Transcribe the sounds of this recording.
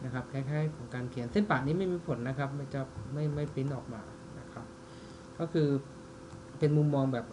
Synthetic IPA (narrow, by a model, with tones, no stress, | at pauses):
na˦˥kʰa˦˥p̚kʰɛː˧˥˩jkʰaː˥˩jkʰɔː˩˦ŋkaː˧nkʰi˨˩˦ənse˥˩npaː˨˩niː˦˥ma˥˩jmiː˧pʰo˩˦nːa˦˥kʰa˦˥p̚ma˧˥˩jt͡ɕɔː˧˩p̚ma˥˩jma˥˩jpi˦˥nʔɔː˨˩k̚maː˧ | na˦˥kʰɾa˦˥p̚ | kɔː˥˩kʰɯː˧ | pe˧nmu˧mːɔː˧ŋbɛː˨˩p̚